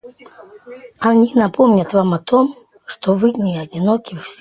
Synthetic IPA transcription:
anʲinɐpomnʲɐt̪vamɐt̪ʰɔm | ʂt̪ɔvɨnʲiɐdʲinɔkʲisʲ

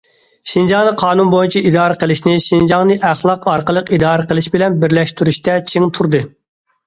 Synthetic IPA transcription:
ʃind͡ʒɑŋnɨqʰɑːnunbojunt͡ʃʰɛid̪ɑːɾəqʰəlˠɪʃnɪʃind͡ʒɑŋnɨʔæχlˠɑqɑɾqəlˠəqid̪ɑːɾəqəlˠɪʃbɪlɛnbɪɾlɛʃt̪yɾyʃt̪ɛt͡ʃʰiŋt̪ʰuɾd̪ɨ

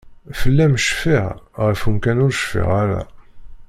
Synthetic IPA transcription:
fəlːæmʃfiʁʁəfumkænʊɾʃfḭʁaɾæ̰

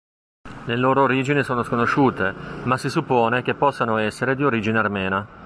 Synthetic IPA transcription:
leloːɾoːɾiːd͡ʒinisoːnoskonoʃuːt̪emasːisupːoːnek̟epːɔsːanoɛsːeɾed̪ioɾiːd͡ʒinearmɛːna

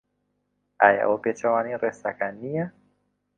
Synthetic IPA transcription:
aja̰ʔɔpɛt͡ʃawaniɾɛsakania

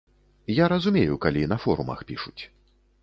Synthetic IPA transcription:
jaɾɐzumʲejukalʲinɐfɔɾumɐ̰xpʲiʂut͡sʲ

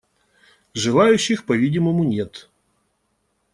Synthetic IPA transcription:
ʐɨlˠajʉɕːɪxpɐvʲidʲɪməmʊnʲet̪

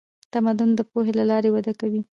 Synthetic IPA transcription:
t̪amad̪ʊnd̪əpoɦelalɑɾewad̪akawi

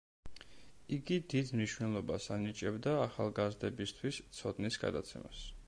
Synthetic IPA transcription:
iɡid̪id̪mniʃwnɛlˠɔbasanit͡ʃʼɛbd̪aːχalˠɡazd̪ɛbist̪ʰwist̪sʰɔd̪nisɡa̰d̪a̰t̪sʰɛ̰ma̰s

